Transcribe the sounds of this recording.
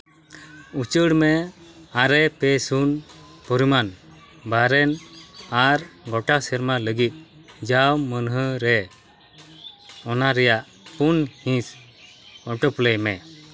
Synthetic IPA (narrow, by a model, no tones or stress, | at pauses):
ut͡ʃəɽmɛaɾɛpɛsunpɔɾiman | baɾɛnaɾɡɔʈasɛɾmaləɡit̪̚ˀ | d͡ʒawmənɦəɾɛ | ɔnaɾɛjaʔ | punhĩs | ɔʈɔplɛjmɛ